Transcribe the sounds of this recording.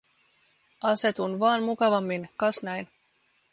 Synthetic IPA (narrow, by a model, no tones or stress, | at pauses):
ɑse̞t̪unʋɑːnmukɑʋɑmːinkɑsnæjn